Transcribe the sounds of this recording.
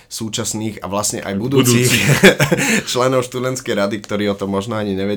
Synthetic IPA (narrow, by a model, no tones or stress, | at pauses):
suːt͡ʃasniːɣa̰ʋlasɲɛ̰ʔa̰jbud̪uːt͡s̪iːx | t͡ʃlɛnɔʊʃt̪ud̪ɛnt̪skɛjɾad̪ik̚t̪ɔɾiːɔt̪ɔmːɔʒnɔaɲiɲɛʋɛ